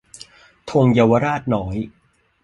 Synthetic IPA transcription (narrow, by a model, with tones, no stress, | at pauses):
t̪ʰo˧ŋjaː˧wa˧ɾaː˥˩t̪̚nɔː˩˦j